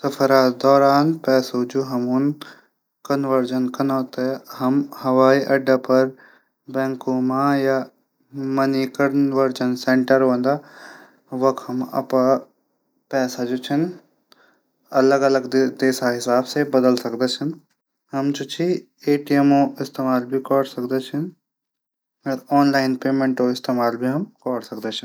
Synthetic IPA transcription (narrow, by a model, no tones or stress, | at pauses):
sɐfəɾaːt̪d̪ɔːɾaːnpɛːsod͡ʑoːɦɐmun | kɐnʋəɾd͡ʒənkɐnat̪ɐhɐmhɐʋaːiʔɐɖəpɐɾ | bɛ̃ːŋkomãja | mɐnikɐnʋəɾd͡ʒənsẽːɳʈəɾʋɐ̃ːn̆d̪aː | ʋɐkʰɦɐmɐ̰pa | pɛːsad͡ʒoːt͡ʃʰɐn | ɐləɡɐləɡ̪d̪eːsaɦɪsaːbsebɐd̪əlsɐkʰd̪et͡ʃʰɪnɪ̆ | ɦɐmd͡ʒot͡ʃʰi | eːʈiemõɪst̪eːmaːlbʱikɔːɽsɐkʰd̪et͡ʃʰɪn | ɐɾɔːnlaːɪnpeːmẽːɳʈoɪst̪eːmaːlbʱiɦɐmkɔːɽsɐk̚ʰd̪et͡ʃʰɪn